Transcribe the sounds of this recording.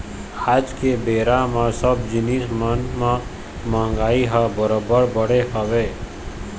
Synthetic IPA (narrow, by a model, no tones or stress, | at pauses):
aːd͡ʒkebeːɾamãsəbd͡ʒɪniːsmənm | mãŋɡaːiɦabəɾobəɾbəɽ̤eɦəʋe